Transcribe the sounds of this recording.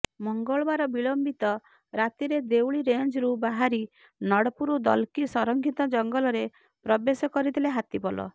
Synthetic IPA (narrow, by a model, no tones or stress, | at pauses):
mɔŋɡɔɭɔbaɾɔbiɭɔmbit̪ɔ | ɾat̪iɾed̪ewɭiɾend͡ʒɾubaɦaɾi | nɔɽɔpuɾud̪ɔlkisɔɾɔŋkʰit̪ɔd͡ʒɔŋɡɔlɔɾe | pɾɔbesɔkɔɾit̪ʰileɦat̪ibɔlɔ̰